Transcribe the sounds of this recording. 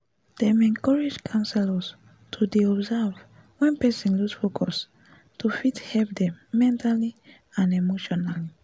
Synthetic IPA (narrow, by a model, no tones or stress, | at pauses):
d̥ɛmɛ̃nkɔɹed͡ʒkʰãnsɛlas | tʰudeɔbzɛv | wɛ̃npɛsɛ̃nlusfokʰɔs | tʰufithɛlp̚dɛ̃mːɛ̃ntali | ãnemoʃɔnali